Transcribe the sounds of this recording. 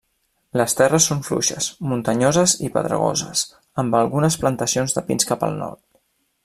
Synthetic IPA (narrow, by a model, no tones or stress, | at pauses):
ləst̪ɛrəsːoɱflṵʃəsmunt̪əɲozəzipə̰ðɾə̰ɣo̰zəs | əmbəlˠɣunəsplənt̪əsionzðəpinskapə̰lˠnɔ̰ɾt̪